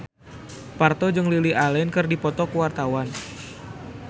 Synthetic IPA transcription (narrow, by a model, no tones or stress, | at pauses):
part̪ɔd͡ʒɨŋliliʔalɛnkɨrdipɔt̪ɔkuwart̪awan